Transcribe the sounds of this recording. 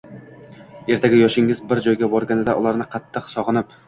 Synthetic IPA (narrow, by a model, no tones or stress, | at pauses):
e̞ɾt̪ʰaɡʲɪjɒʃɪŋɪzbɪɾd͡ʒɒjɡʲabɒɾɡʲanɪd̪aʔʊlˠaɾnɪqʰɑt̪ʰːɨqsɒʁɨnɪp̚